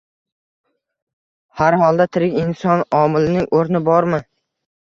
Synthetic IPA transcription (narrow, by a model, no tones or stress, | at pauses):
haɾhɒlˠd̪at̪ʰɪɾɪkʲɪnsɒnɒmɪlɪnɪŋʔoɾnɪbɒɾmɪ